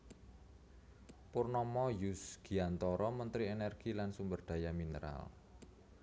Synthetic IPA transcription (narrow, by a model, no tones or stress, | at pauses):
purnɔmɔjusɡ̥i̤ant̪ɔɾɔmənt̪ɾienɛrɡ̥ilansumbərd̪̥ä̤jaminə̰ɾa̰l